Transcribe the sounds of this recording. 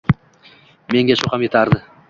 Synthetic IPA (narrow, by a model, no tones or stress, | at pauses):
me̞ŋɡʲaʃʊhamje̞t̪ʰaɾd̪ɪ